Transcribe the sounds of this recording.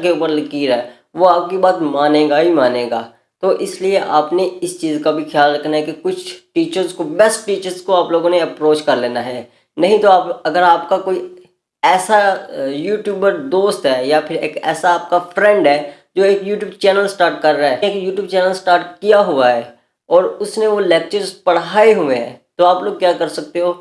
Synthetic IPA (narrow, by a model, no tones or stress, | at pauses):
keuːpəɾlɐkiːɾɛ | ʋoaːp̚kibaːt̪maːnẽːɡaɦimaːnẽːɡa̰ː | t̪oːʔɪslieʔaːpneɪst͡ʃiːzkabʱixʰjaːlɾɐkʰnaɦɛkikʊt͡ʃʰʈiːt͡ʃəɾzkobɛsʈʈiːt͡ʃəɾzkoaːploːɡõneɐpɾoːt͡ʃkɐɾleːnaɦɛː | nɐɦĩt̪oaːpɐɡəɾaːpkakoːi | ɛːsajuːʈjuːbəɾd̪oːst̪ɦɛːjapʰɪɾeːkɛ̰ːsaːp̚kafɾɛ̃ɳɖɦɛː | d͡ʒoːeːkjuːʈjuːbt͡ʃɛːnəlsʈaːɾʈ̚kɐɾːaɦɛeːkjuːʈjuːb̚t͡ʃɛːnəlsʈaːɾʈkijaɦʊaɦɛː | ɔːɾʊsneʋolɛːk̚t͡ʃəɾzpɐɽ̤aːeɦʊẽɦt̪oaːploːɡ̚kjaːkɐɾsɐk̚t̪eɦoː